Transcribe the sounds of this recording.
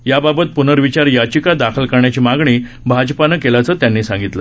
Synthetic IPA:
jababət̪̚punəɾʋit͡ɕaɾjat͡ɕikad̪akʰəlkəɾɳjat͡ɕiːmaɡɳiː | bʱad͡ʑpanəkelat͡səːt̪janːiːsãŋɡit̪lə

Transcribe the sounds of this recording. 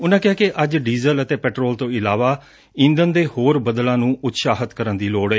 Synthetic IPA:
ʊnãːkɪɦaːkeʔəd͡ʒɖiːzələt̪eːpɛːʈɾoːlt̪õːɪlaːʋaː | ɪ̃nd̪ənd̪eːhoːɾbəd̪lãːnũːʔʊt̪saːɦət̪kəɾənd̪iːloːɽeː

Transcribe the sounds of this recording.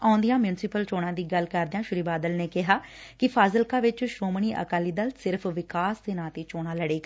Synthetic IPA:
ãːnd̪ijãːmjʊnsɪpəlt͡ʃoːɽãːd̪iːɡəlkəɾd̪eãːʃʊɾiːbaːd̪əlneːkɪɦaːkɪpʰaːzəlkãːʋɪt͡ʃʃoːməɳiːʔə̰kaːliːd̪əlsɪɾpʰʋɪkaːst̪eːnãːt̪iːt͡ʃoːɽ̃ãːləɽeːɡ

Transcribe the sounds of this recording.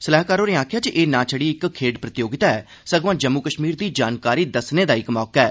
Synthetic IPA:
səlaːɦkaːɾoːneːaːkʰjaːt͡ʃiʔeːnãːt͡ʃʰəɽiːɪkkʰːeːɖpɾət̪ɪjoːɡɪt̪aɛː | səɡʋãːd͡ʒəmːukəʃmiːɾd̪iːd͡ʒaːnkaːɾiːd̪əsneːd̪aːɪkmɔːkɛː

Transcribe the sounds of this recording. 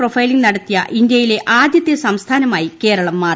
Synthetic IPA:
profɐjliŋɡnɐɽɐt̪ːijɐ̰ʔind̪jɐjile̞ʔaːd̪jɐt̪ːjɐsɐmst̪ʰaːnɐmaːjike̞ːɾɐɭɐmːaːr

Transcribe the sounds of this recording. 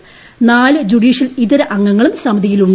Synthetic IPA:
naːlɨd͡ʑuɽiːʂɐliðɐɾɐʔɐŋːɐŋːɐɭumsɐmɐd̪ʱijiluɳː

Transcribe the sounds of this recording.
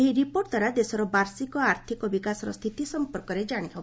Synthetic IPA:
eɦiɾipoɾʈd̪waɾad̪esɔɾɔbaɾsikɔaɾt̪ʰikɔbikasɔɾɔ̰st̪ʰit̪isɔmpɔɾkɔɾed͡ʒaɽ̃iɦʰɔb

